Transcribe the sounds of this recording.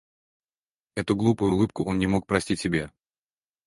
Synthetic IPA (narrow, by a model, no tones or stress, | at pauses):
ɛt̪ʊɡlˠupʊjʊlˠɨp̚kʊʔo̞nnʲɪmo̞k̚pɾɐsʲtʲitʲːɪbʲe